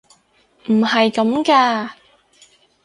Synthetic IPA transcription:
m̩˨˩hɐ˨jkɐ˨˦mkaː˧

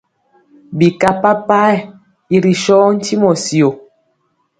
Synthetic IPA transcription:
bi˨ka˦pa˦pa˦ɛ˨ | i˨ɾi˨ʃɔ˦n̩˦ti˦mɔ˨si˨o˨

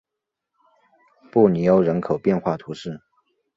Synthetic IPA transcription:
pu˥˩ni˨˥jo˧˥ʊɻə˧˥nkʰo˨˩ʊpjɛ˥˧nxwa˥˩t̪ʰu˧˥ʂɻ̩˥˩

